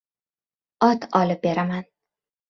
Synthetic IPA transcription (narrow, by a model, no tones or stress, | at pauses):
ɒt̪ʰɒlɪp̚be̞ɾaman